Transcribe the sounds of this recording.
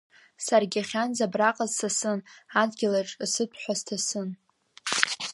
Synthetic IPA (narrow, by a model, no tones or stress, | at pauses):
sarɡʲaχʲanzabraqʼazsasɨnadɡʲɪlaʈ͡ʂʼsɨtʰħʷaztʰasɨn